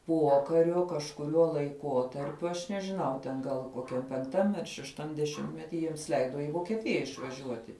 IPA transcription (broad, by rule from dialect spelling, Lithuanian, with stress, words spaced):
ˈpuɔkɐrʲʊ kɐʃkʊˈrʲuɔ lˠɐɪˈkuɔtɐrʲpʲʊ ɐʃ nʲɛʒʲɪˈnɐʊ tʲɛn ɡɐlˠ koːˈkʲɛm pʲɛŋkˈtɐm ɐr ʃʲɛʃˈtɐm dʲɛˈʃʲɪmʲtʲmʲɛtʲɪ ˈjiɛms ˈlʲɛɪdoː ɪ ʋoːkʲiɛˈtʲɪjɛ ɪʃʋɐˈʒʲuɔtʲɪ